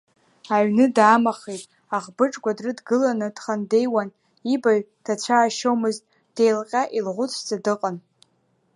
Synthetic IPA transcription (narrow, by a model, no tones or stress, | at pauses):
aɥnɨdaːmaχejtʼ | aʁbɨʈ͡ʂʼɡʷadrɨdɡɨlanɨd̥χande̞jwan | ibaɥd̥ʰat͡ɕʷʰaːʃowmɨztʼ | d̥e̞jlqʲʼaʔilʁʷʊt͡sʰd͡zadɨqʼan